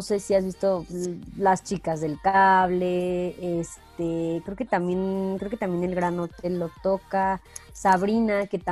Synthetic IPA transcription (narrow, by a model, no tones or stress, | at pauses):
ose̞siazβist̪o̞last͡ʃikazðe̞lkaβle̞est̪ekɾe̞oke̞t̪amje̞nkɾeoke̞t̪ambje̞nelɣɾano̞t̪e̞lːo̞t̪o̞kasaβɾinake̞t̪a